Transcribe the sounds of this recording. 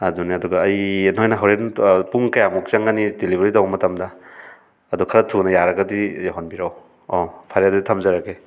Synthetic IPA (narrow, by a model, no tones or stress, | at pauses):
aduniɐduɡaːjenhɔjnɐɦɔwɾenpuŋkajamuk̚saŋanidilibʱaɾitawmɐtamdɐː | dukʰaɾatʰunɐjaɾaɡɐdijaɦɔnbiɾaw | ɔpʰaɾjadedtʰamzaɾake